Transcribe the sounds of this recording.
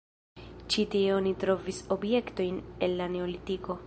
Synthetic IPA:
t͡ʃitieonitɾo̞viso̞bje̞kto̞jne̞nːane̞olitiko̞

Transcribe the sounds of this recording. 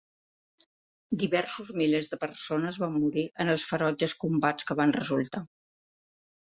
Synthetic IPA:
d̪iβɛrsuzmilezðəpərsonəzβamːuɾiʔənəlˠsfəɾɔd͡ʒəskumbat͡skəβanrəzulˠt̪a

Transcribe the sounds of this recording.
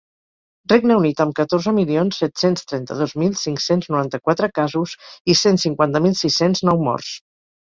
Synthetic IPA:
rreɡnəunit̪əmkət̪orzəmilionsːɛt̪senst̪ɾɛnt̪ə̰ðozmilˠsiŋksenznuɾant̪əkwat̪ɾəkazuzisensiŋkwant̪əmilˠsisenznɔwmɔ̰rs

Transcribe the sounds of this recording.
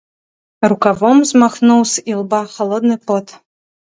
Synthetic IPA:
rukavɔmzmaxnuwsilˠbaxɔlˠɔd̪nɨpɔt̪

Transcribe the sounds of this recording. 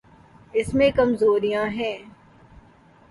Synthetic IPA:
ɪsmẽkɐmzoːɾijãɦɛ̃ː

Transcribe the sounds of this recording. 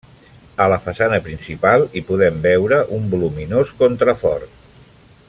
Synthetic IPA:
ələfəsanəpɾinsipalˠipuðɛmbɛwɾəʔumbuluminoskont̪ɾəfɔ̰rt̪

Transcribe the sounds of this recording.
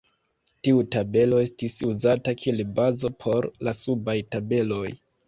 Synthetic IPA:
tiutabe̞lo̞e̞stisuzatakʰielebazo̞pʰo̞ɾlasubajtabe̞lo̞j

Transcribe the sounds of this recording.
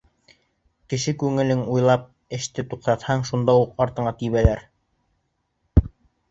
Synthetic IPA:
kɘ̆ʃɘkʉŋɘ̆lɘŋujlˠɑp̚ | ɘ̆ʃt̪ɘt̪uqt̪ɑt̪hɑɴʃund̪ɑuqɑɾt̪ɤ̆ɴɑt̪iβælæɾ

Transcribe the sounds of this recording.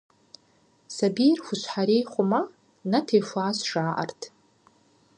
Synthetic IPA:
sabijrxʷʊʃʷħaɾejχʷoma | natʰejfʷaːsʂaːʔa̰rtʰ

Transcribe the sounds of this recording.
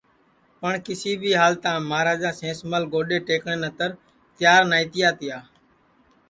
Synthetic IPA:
pəɳkɪsiːbʱiːɦaːlt̪ãːmaːɾaːd͡ʒãːsẽːsməlɡoːɗeːʈeːkɳeːnət̪əɾ | t̪ɪjaːɾnaːĩːt̪ɪjaːt̪ɪjaː

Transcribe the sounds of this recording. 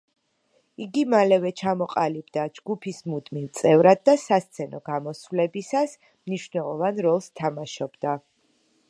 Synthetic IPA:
iɡimalɛvɛt͡ʃʰamɔqʼalibd̪ad͡ʒɡupʰismud̪milˠt̪sʼɛvɾad̪̚ːasast̪sʰɛnɔɡamɔsvlɛbisas | mniʃvnɛlˠɔvanɾɔlˠst̪ʰamaʃɔbd̪a

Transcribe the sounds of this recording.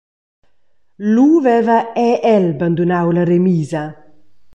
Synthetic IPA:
luvɛvaɛʔɛlband̪unawlaremiːzɐ

